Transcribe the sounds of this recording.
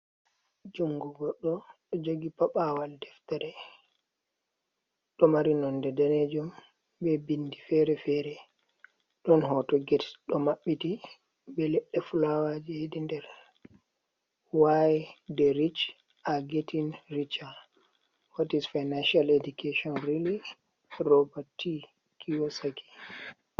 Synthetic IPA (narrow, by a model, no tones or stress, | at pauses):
d͡ʒuŋɡuɡɔɗːɔɗɔd͡ʒoɡipaɓawaldɛftaɾɛ | ɗɔmaɾinɔndɛdaned͡ʒum | bɛbindifɛɾɛfɛːɾɛ | ɗɔnhɔtɔɡɛtɗɔmaɓːiti | bɛlɛɗːɛfulawad͡ʒijedindɛɾ | wajdɛɾit͡ʃ | aɡetʰinrit͡ʃa | watisfajnanʃaledukeʃɔnɾili | rɔbatʰːi | kʰijɔsaki̥